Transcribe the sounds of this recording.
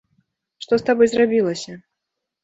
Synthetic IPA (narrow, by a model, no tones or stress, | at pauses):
ʂt̪ɔst̪abɔjzrabʲilˠɐsʲɐ